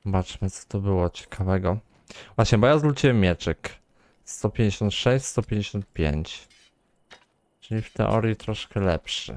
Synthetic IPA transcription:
bat͡ʂmɘt̪sɔ̥t̪ɔbɘwɔt͡ɕɛ̥kʰavɛɡɔ | vwaɕɲɛbajazlut͡ɕiwɛmːʲjɛt͡ʂɘk | st̪ɔpʲjeɲd͡ʑeɕɔ̃nt̪ʂɛɕt͡ɕst̪ɔpʲjeɲd͡ʑeɕɔnt̪̚pʲjḛɲt͡ɕ | t͡ʂɘlʲift̪ɛ̰ʔɔ̰ɾʲjit̪ɾɔʂkɛlɛpʂɘ̰

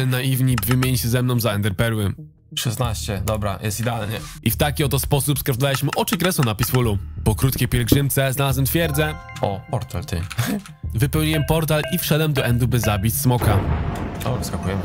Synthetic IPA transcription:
naivɲivʲɘmʲjeɲɕɛzɛmnɔ̃w̃zaɛnd̪ɛɾpɛɾwɘ | ʂɛsnaɕt͡ɕɛd̪ɔbɾa̰jʔɛ̰st̪id̪ɛalɲɛ | ʔift̪akʲiɔt̪ɔspɔsupskɾafd̪valiɕmɘʔɔt͡ʂɘkɾɛsɔ̃wnapʲiswulupɔkɾut̪̚kʲejpʲjɛlɡʐɘmt̪sɛznalazwɛmt̪fʲjɛɾd̪zɛ | ɔpɔɾt̪alt̪ɘ̰ | vɘpɛwɲijɛmpɔɾt̪alifʂɛd̪wɛmd̪ɔʔɛnd̪ubɘzabʲismɔka | ɔskakujɛmɘ

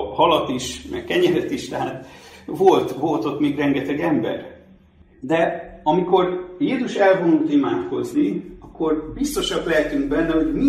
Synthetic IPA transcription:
hɒlɒt̪iʃmɛ̰kkɛɲɛɾɛt̪iʃt̪ɛɦaːt̪vo̞lt̪vo̞lt̪o̞t̪meːɡrɛŋɡɛt̪ɛɡɛmbɛ̰r | d̪ɛɒmiko̞rjeːzuʃɛlvo̞nuːt̪imaːt̪ko̞zniɒkːo̞rbist̪oʃɒklɛɦɛt̪yŋɡbɛnːɛho̞ɟmi

